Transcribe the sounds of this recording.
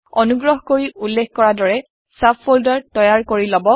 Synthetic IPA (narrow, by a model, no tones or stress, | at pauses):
ɔnuɡɹɔɦkoɹiulːekkɔɹadɔɹɛ | sapʰoldaɹtɔjaɹkoɹilɔbɔ